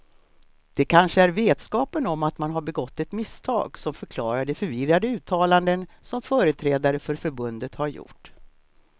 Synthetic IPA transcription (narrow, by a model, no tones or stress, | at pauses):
d̪̥ɛkʰanʂəæɾveːt̪skɑːpənɔmːat̪manɦaɾbɛɡɔt̪ːɛt̪mɪst̪ʰɑ̰ːɡsɔmfœɾkʰlɑːɾaɖɛfœɾvɪrːad̪əʉ̟ːt̪ʰɑːland̪ənsɔmfœːɾət̪ʰɾɛːd̪aɾəfœɾfœɾbɵnd̪ət̪haɾjʊ̰ʈː